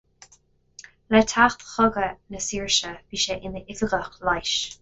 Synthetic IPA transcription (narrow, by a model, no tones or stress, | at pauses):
lɛtʰaxt̪xɔɡənəsiːɹʃəv̥iːʃɛʔɪnəʔɪvəɡəxlajʃ